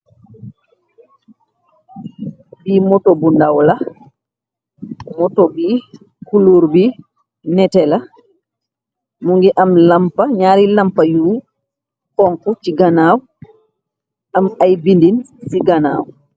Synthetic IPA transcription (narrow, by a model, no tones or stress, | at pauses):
biːmɔtobundawla | mɔtobi | kuluɾbi | nɛtɛla | muŋɡɛʔamlampaɲaːɾilampajuː | kɔŋkut͡ʃiɡanaːw | ʔamajbindin | siɡana̰ːw